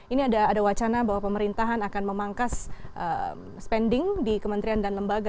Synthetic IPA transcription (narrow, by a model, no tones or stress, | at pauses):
iniadaːdawat͡ʃanabaɦwapəməɾint̪aɦanakanməmaŋkasʔə̰ | spɛndɪŋdikəmənt̪ɾiandanləmbaɡa